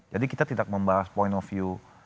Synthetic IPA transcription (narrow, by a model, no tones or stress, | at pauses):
d͡ʒadikit̪at̪idak̚məmbaɦaspɔjntɔfju